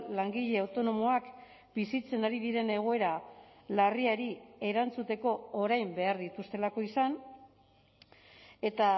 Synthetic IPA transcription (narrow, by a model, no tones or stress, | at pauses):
laŋɡiʎe̞awt̪o̞no̞mo̞ak | bisit͡se̞naɾiðiɾe̞ne̞ɣ̞o̞e̞ɾalariaɾie̞ɾant͡sut̪e̞ko̞ːɾajmbe̞aɾðit̪ust̪e̞lako̞isan | e̞t̪a